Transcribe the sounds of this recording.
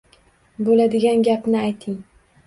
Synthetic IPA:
bolad̪ɪɡʲanɡʲapnɪajt̪ʰɪŋ

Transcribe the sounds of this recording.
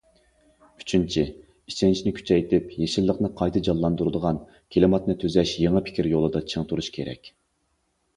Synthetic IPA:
y̥t͡ʃʰynt͡ʃʰi | it͡ʃʰɛnt͡ʃʰinɪkʲʰy̥t͡ʃʰɛjt̪ʰɪpjeʃilːəqnɨqʰɑjt̪ʰɨd͡ʒɑlːˠɑnd̪uɾd̪əʁɑn | kʲʰelɪmɑt̪nɨt̪ʰøzɛʃjeŋɨpʰɪ̥kʲiɾjolˠɨd̪ɑt͡ʃʰeŋt̪uɾuʃkʲʰeɾɛ̰kʲ

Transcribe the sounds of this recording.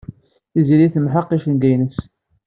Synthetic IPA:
iziɾiθəmħəqːiʃənɡæjnəs

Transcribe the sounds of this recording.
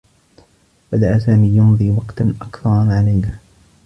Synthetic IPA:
bad̪aʔasaːmiːjʊnðˤiːwɑqt̪anʔakθɑɾˤʕalajna

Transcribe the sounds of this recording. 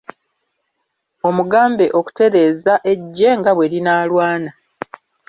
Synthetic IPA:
o̞muɡaːmbe̞ʔo̞ku̥te̞ɾe̞ːzaʔe̞ɟːe̞ŋɡaβwe̞linaːlwaːna

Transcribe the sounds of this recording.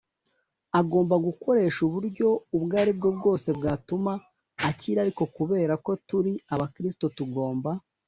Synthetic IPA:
aɡo̞ːmbaɡuko̞ɾe̞ʃuβuɾɟo̞ubɡaːɾibɡobɡo̞ːse̞bɡaːtumaː | ciɾaɾiko̞kuβe̞ːɾako̞tuɾiaβakɾis̬i̥to̞tuɡo̞ːmba

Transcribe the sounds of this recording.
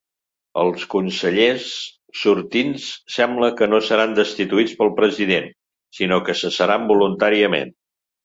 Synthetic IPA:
ə̰lˠskunsəʎesː | uɾt̪insːɛmbləkənosəɾand̪əst̪it̪uit͡spəlˠpɾəziðen | sinokəsəsəɾambulunt̪aɾiəmḛn

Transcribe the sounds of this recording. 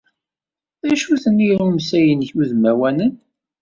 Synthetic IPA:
æʃuθənːiɾumsæjənçuðmæwænən

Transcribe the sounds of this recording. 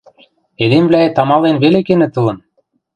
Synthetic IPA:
ed̪emβlæet̪ɑmɑlenβelekenĕt̪ɤlɤ̆n

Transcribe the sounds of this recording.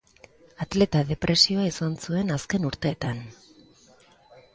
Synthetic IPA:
at̪le̞t̪aðe̞pɾʔe̞sio̞aisansue̞naske̞nuɾt̪e̞ːt̪an

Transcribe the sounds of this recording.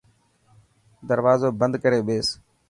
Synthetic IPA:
d̪əɾʋaːzoːbənd̪kəɾeːɓeːs

